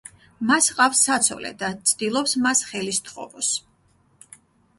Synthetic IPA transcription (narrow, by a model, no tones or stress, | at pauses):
masqʼafsːat̪sʰɔ̰lɛ̰d̪at̪sʰd̪̥ilˠɔpsmasχɛlist̪ʰχɔ̰vɔs